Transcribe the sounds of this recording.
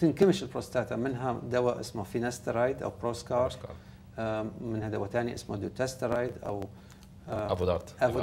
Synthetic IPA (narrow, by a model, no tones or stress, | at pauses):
t̪ɪnkamɪʃɪlpɾost̪aːt̪amɪnɦad̪awaʔɪ̰smafinast̪aɾˤajd̪ʔa̰wpɾoːskɑːɾˤ | mɪnhad̪awat̪aːniʔɪsmad̪ut̪ast̪aɾˤajd̪ʔa̰w | aɑt̪ʔa